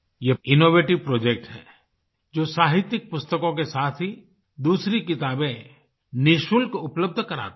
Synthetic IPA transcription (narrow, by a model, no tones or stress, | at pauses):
jeɪnoːʋeːʈɪʋpɾoːd͡ʒek̚ʈɦɛ̰ː | d͡ʒoːsaːɦɪt̪jɪk̚pʊst̪əkõkesaːt̪ʰɦi | d̪uːsɾikɪt̪aːbẽ | nɪʃʊlkoʊpləb̚d̪ʱkɐɾa̰ːt̪